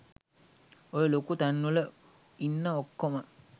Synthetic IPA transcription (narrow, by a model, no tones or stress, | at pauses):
ojelokut̪anːulə | inːəokːomə